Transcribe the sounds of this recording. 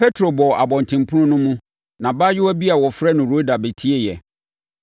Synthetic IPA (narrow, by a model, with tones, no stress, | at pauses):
pʰe˦tʰɾo˨bɔ˨a˨bɔ̃˨n˨tʰɪ̃˨m˨pʰʊ˦ʊ̃˦nʊ̃˦mʊ̃˦ | nã˨ba˦jɪ˦wɔ˦bi˦a˨wɔ˨fɾɛ˦nʊ̃˨ɾo˦da˨be˨tʰi˦e˦jɛ˨